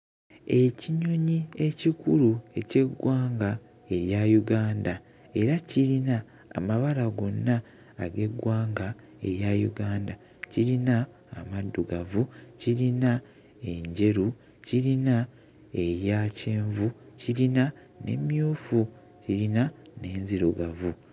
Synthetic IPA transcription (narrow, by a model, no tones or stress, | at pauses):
e̞ciɲo̞ɲie̞cikuɾue̞ce̞ɡwaːŋɡa | e̞ɾjajuɡaːnda | e̞ɾaciɾina̰ː | maβalaɡo̞nːaː | ɡe̞ɡwaːŋɡa | e̞̰ɾjajṵɡaːnda | ciɾinaː | madːuɡavuciɾina | e̞ɲɟe̞ɾu | ciɾina | eɾjace̞ːɱvuciɾina | ne̞̰mjuːfu | ciɾina | ne̞ːnziɾuɡavu